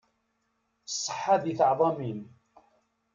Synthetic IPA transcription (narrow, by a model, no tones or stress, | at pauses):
sˤːə̥ħːad̪iθɑʕðˤɑmin